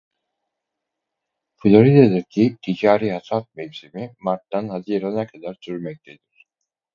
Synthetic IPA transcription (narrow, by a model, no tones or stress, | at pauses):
flʲˠoɾid̪ad̪iɾcʰip̚t̪ʰiɟaːɾiːhasat̪̚mɛvsimimaɾt̪ːanhaziːɾanakʰad̪aɾsyɾmɛc̚t̪ʰe̞d̪iɾ̥